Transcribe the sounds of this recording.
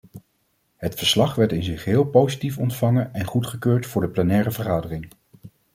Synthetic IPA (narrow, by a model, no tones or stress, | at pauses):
ɦətfəɹslɑχʋɛɹtɪnzɪχɦɪːlˠpowzitifɔntfɑŋəɛnχutχəkøːɹtfʊːɹdəplɛnɛːɾəvəɹχaːdərɪŋ